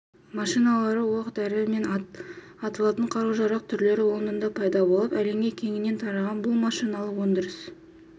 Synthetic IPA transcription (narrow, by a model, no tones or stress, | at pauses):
mɑʃijnɑlˠɑɾəwɑqət̪æɾɪme̞n | ɑt̪əlˠɑt̪əɴqʰɑɾuʒɑɾɑq̚t̪ʰʏɾle̞ɾɪwo̞ɾənənd̪ɑpʰɑjd̪ɑbo̞lˠəpæle̞ŋɡʲe̞kʲʰe̞ŋɪnːe̞nt̪ʰɑɾɑʁɑnbʊlˠmɑʃijnɑlˠəwo̞nd̪əɾəs